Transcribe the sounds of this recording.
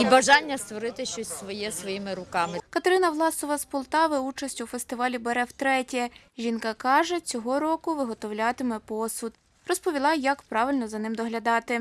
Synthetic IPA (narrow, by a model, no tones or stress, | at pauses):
ibɐʒɑnʲːɐst̪ʋɔɾɪt̪ɪʃt͡ʃɔsʲsʋɔjɛsʋɔjimɪɾʊkɑmɪkɐt̪eɾɪnɐʋlˠɑsɔʋɐspɔlˠt̪ɑʋɪut͡ʃɐsʲtʲufest̪ɪʋɑlʲibeɾɛwt̪ɾɛtʲɛ | ʒʲinkɑkɑʒɛt͡sʲɔɦɔɾɔkʊʋɪɦɔt̪ɔwlʲat̪ɪmɛpɔsʊd̪ | rɔspɔʋʲilˠɑjɐkpɾɑʋɪlʲnɔzɐnɪmd̪ɔɦlʲɐd̪ɑt̪ɪ